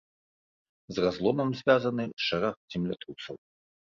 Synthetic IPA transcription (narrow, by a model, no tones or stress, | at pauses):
zrazlˠɔmɐmzʲvʲazɐnɨʂaɾaxzʲimlʲat̪ɾusɐw